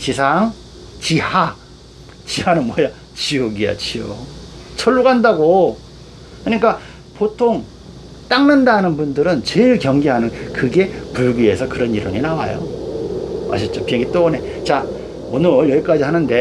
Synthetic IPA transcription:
t͡ɕisʰaŋ | t͡ɕiha | t͡ɕihanɯnmwʌja | t͡ɕioɡia̰t͡ɕiot͡ɕʰʌɭːuɡandaɡo | kɯɲik͈a | potʰoŋ | t͈aŋnandanɯnbundɯɾɯnt͡ɕeɭkjʌŋɡeɦanɯnkɯɡe̞puɭɡie̞sʰʌkɯɾʌniɾo̰ɲinawa̰jo̰ | ma̰ɕʰʌt͡ɕ͈opieŋɡit͈one̞ | t͡ɕa | ʌnɯɭjʌik͈ad͡ʑiɦanɯnde̞

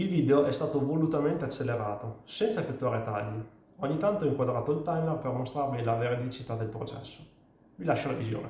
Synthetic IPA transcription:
ilviːd̪eoʔɛst̪aːt̪ovolut̪ament̪eat͡ʃːelːeɾaːt̪osɛnt̪saefːet̪ːuaːɾet̪aʎːi | oɲːit̪ant̪oɔiŋkwad̪ɾaːt̪oilt̪ajmerpermost̪ɾarmilaveɾed̪it͡ʃit̪ad̪ːelpɾot͡ʃɛ̰sːo̥ | milaʃːanavizjo̰ːne

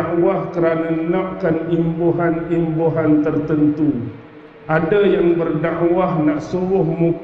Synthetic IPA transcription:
wahkəɾananaʔkanimboɦanimboɦant̪ərt̪ənt̪u | ʔadajaŋbərdaʔwahnaʔsuɾʊhmu

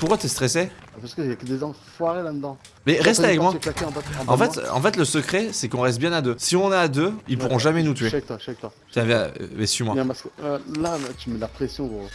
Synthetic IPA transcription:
puʁkwat̪ɛst̪χɛsepaʁskəakəd̪ezɑ̃fwaʁelad̪əd̪ɑ̃ | bɛʁɛst̪avɛkmwaklakeɑ̃bat̪ɑ̃fɛt̪ɑ̰̃fɛt̪ləsəkχɛsɛkɔ̃ʁɛst̪̚bjɛ̃nad̪øsiɔ̃naːd̪øilpuʁɔ̃ʒamɛnut̪ɥek̚t̪waʃaɛk̚t̪wa | t̪avɛ̰̃bɛsɥimwajɛ̃paskəlat̪ymɛlapχesjɔ̃pu

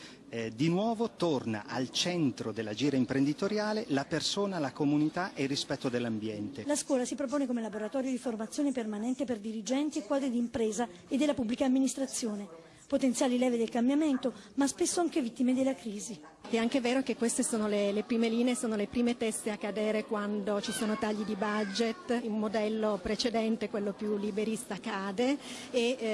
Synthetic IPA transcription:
d̪inwɔːvot̪orna̰ʔalt͡ʃɛnt̪ɾod̪elːad͡ʒiːɾaimpɾend̪it̪oɾjaːlelapersoːnalakomunit̪aʔerːispɛt̪ːod̪elːambjɛnt̪elaskwɔːlasipɾop̬oːnekomelaboɾat̪ɔːɾjod̪iformat̪sːjoːnepermanɛnt̪eperd̪iɾid͡ʒɛnt̪iekːwɔːd̪ɾid̪iːmpɾɛːza | ed̪ːelapubːlikaːmːinist̪ɾat̪sːjoːne | pot̪ent̪sjaːlilɛːved̪elkambjament̪o | maspesːoaŋkevit̪ːimed̪elːakɾiːzi | ɛaŋkeveːɾokekːwest̪esoːnolelepɾiːmeliːneesoːnolepɾiːmet̪ɛst̪eakːad̪ɛːɾekwand̪ot͡ʃisoːnot̪aʎːid̪ibad͡ʒet̪inmod̪ɛlːopɾet͡ʃed̪ɛnt̪ekwelːopjulːibeɾist̪akaːd̪eː

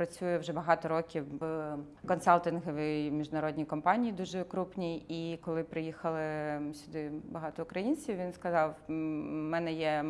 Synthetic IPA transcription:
pɾɐt͡sʲujɛwʒɛbɐɦɑt̪ɔɾɔkʲiw | kɔnsɑlʲˠt̪ɪnɦɔʋʲijmʲiʒnɐɾɔd̪ʲnʲijkɔmpɑnʲijid̪uʒɛkɾupnʲiikɔlˠɪpɾɪjixɐlˠɪsʲʊd̪ɪbɐɦɑt̪ɔʊkɾɐjinʲt͡sʲiwʋʲinskɐzɑw | mɛnɛjɛ

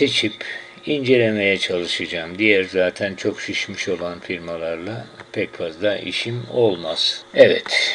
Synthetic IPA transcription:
se̞t͡ʃʰip | ind͡ʒe̞lʲe̞me̞jɛt͡ʃʰalˠɯʃad͡ʒaːmd̪ijæɾzaːt̪ʰænt͡ʃʰo̞kʃiʃmiʃo̞lˠanfiɾmalˠaɾlˠapʰɛcfazlˠaʔḭʃimo̞lˠmaz̥ɛvɛ̰t̪ʰ

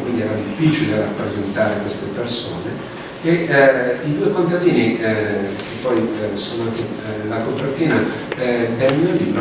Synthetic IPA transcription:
kwind̪iɛɾad̪ifːit͡ʃilerapːɾezent̪aːɾekwest̪eperso̰ːne | e | id̪uːekont̪ad̪iːni | k̟epːɔjsoːnoakːelakopːert̪iːna | t̪ɛmːenod̪ip

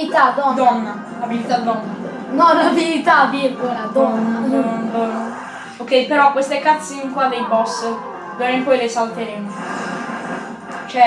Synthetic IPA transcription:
it̪ad̪ɔd̪ɔnːa | abilit̪ad̪ɔnːa | nɔlavilit̪ad̪iekoɾad̪ɔnːaonbɔn | okɛjpeɾɔkwest̪ekat̪sːinkwad̪ejbɔs | d̪oɾempɔjlesalt̪eɾemo | t͡ʃɛ

